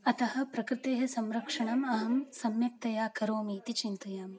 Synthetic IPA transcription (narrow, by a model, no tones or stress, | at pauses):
ɐt̪ɐɦɐ̆pɾɐkɾɪt̪eːɦɐsɐmɾɐkʂɐɳɐmɐɦɐmsɐmjɐp̚t̪ɐjaːkɐɾoːmiːt̪it͡ʃint̪ɐjaːm